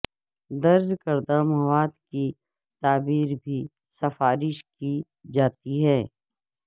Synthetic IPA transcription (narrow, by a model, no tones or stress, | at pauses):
d̪ɐɾzkɐɾd̪amɐwaːd̪ki | t̪aːbiːɾbʱi | sɐfaːɾɪʃki | d͡ʒaːt̪iɦɛː